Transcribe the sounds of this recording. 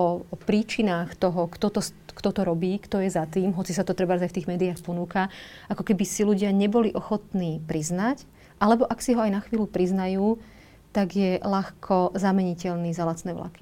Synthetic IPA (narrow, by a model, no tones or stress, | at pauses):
ɔpɾiːt͡ʃinaːxt̪ɔɦɔkt̪ɔt̪ɔskt̪ɔt̪ɔɾɔbiːkt̪ɔjɛzat̪iːmɦɔt͡sisat̪ɔt̪ɾɛbaɾzajft̪iːɣmɛːd̪iaxpɔnuːkaakɔkɛbisiluɟɪaɲɛbɔliʔɔxɔt̪niːpɾiznac | ʔalɛbɔʔaksiɦɔajnaxʋiːlupɾiznajuː | t̪aɡjɛlaxkʰɔzamɛɲicɛʎniːzalat͡snɛːʋla̰ki̥